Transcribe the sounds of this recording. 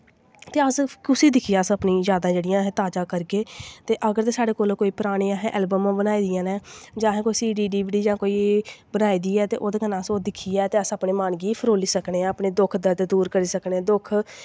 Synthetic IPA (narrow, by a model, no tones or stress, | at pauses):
t̪eːəskʊsiːd̪ɪkʰiːjaːəsəpniːzjaːd̪ãːd͡ʒeːɽɪjãːɦɛ̃ːt̪aːd͡ʒãːkəɾɡeːt̪eːʔəɡəɾt̪eːsaːɽeːkoːlkoːiːpɾaːɽ̃iːãːɦɛ̃ːʔɛːlbəmãːbənaːiːd̪ɪjãːnɛːd͡ʒãːɦɛ̃ːkoːiːsiːɖiːɖiːbiːɖiːd͡ʒãːkoːiːbənaːiːd̪iːɛːt̪eːʔoːd̪eːkənãːsoːd̪ɪkʰiːɛːt̪eːəsəpneːmaːnɡiːpʰəɾoːliːsəkneːɛːəpɳeːd̪ʊkʰd̪əɾd̪d̪uːɾkəɾiːsəkneɛːd̪ʊkʰ